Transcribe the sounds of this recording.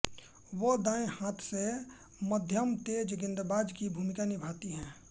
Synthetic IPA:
wod̪ãːẽhaːt̪ʰse | məd̪ʱjəmt̪ed͡ʒɡɪ̃nd̪baːd͡ʒkibʱuːmɪkanɪbʱaːt̪iɦɛ̃ː

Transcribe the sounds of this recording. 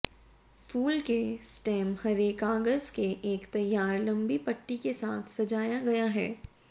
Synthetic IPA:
fuːlkesʈɛ̃ːmhɐɾeːkaːɡəzkeʔeːkt̪ɐjːaːɾlɐ̃mbipɐʈːikesaːt̪ʰsɐd͡ʒaːjaɡɐjaɦɛ̰ː

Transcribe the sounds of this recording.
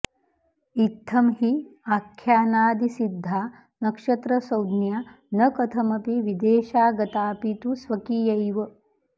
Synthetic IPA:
it̪ʰːɐmɦiakʰːjaːnaːd̪isid̪ʱːaː | nɐkʂɐt̪ɾɐsɐwd̪nja | nɐkɐt̪ʰɐmɐpiʋid̪eːʃaːɡɐt̪aːpit̪usʋɐkijɐjʋɐ

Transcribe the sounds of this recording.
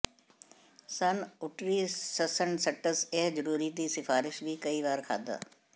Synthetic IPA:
sɐnʊʈɾiːsɐsəɳsɐʈəseɦd͡ʒəɾuːɾiːd̪isɪfaːɾɪʃbʱikɐiːʋaːɾkʰa̰ːd̪a̰ː

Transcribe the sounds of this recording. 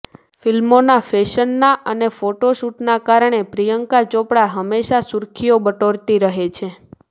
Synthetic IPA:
filmonafeʃənːaʔənefoʈoʃuʈnakaɾɳ̃epɾijəŋkat͡ʃõpɽaɦəmːeʃasuɾkʰijobəʈoɾt̪iɾəɦet͡ʃʰe

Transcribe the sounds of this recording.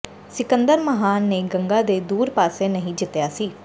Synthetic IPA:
sɪkənd̪əɾməɦaːnːeːɡəŋɡaːd̪eːd̪uːɾpaːseːnəɦĩːd͡ʒɪt̪jaːsiː

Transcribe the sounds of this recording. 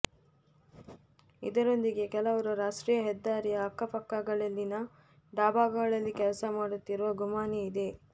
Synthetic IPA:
ḭd̪ɐɾo̞nd̪iɡe̞kɛlɐʋɐɾuɾaːʂʈɾiːjɐɦɛd̪ːaːɾijɐːkːɐpɐkːɐɡɐɭɐlːinɐ | ɖaːbaːɡɐɡɐɭɐlːikɛlɐsɐmaːɽut̪ːiɾuʋɐɡumaːniid̪e̞

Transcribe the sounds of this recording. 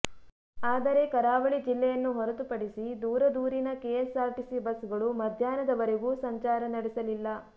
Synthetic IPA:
aːd̪ɐɾe̞kɐɾaːʋɐɭid͡ʒilːɛjɐnːuɦɔɾɐt̪upɐɽisid̪uːɾɐd̪uːɾinɐkeːsaːɾʈisibɐsɡɐɭumɐd̪ʱjaːnɐd̪ɐʋɐɾeɡuːsɐɲt͡ʃaːɾɐnɐɽisɐlilːɐ

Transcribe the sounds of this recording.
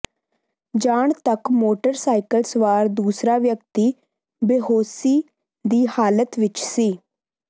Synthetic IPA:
d͡ʒaːɳt̪əkmoːʈəɾsaːɪkəlsʋaːɾd̪uːsɾaːʋjəkt̪iː | beɦoːsiː | d̪iːhaːlət̪ʋɪt͡ʃsiː

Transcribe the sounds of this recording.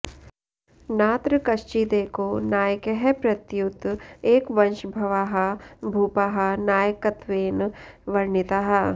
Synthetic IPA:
naːt̪ɾəkɐʃt͡ʃiːd̪eːkonaːjəkeɦɛpɾɐt̪jʊt̪eːkʋɐ̃nʃbʱɐʋaːɦabʱuːpaːɦanaːjəkɐt̪ʋeːnʋɐɾnɪt̪aɦɐ

